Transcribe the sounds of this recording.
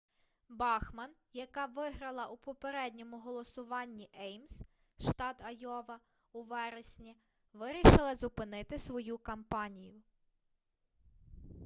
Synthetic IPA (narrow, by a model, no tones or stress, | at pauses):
bɑxmɐnjɐkɑʋɪɦɾɐlˠɐʔupɔpeɾɛdʲnʲɔmʊɦɔlˠɔsʊʋɑnʲːiʔɛjms | ʃt̪ɑd̪ɐjɔʋɐ | uʋɛɾesʲnʲi | ʋɪɾʲiʃɪlˠɐzʊpɪnɪt̪ɪsʋɔjukɐmpɑnʲijʊ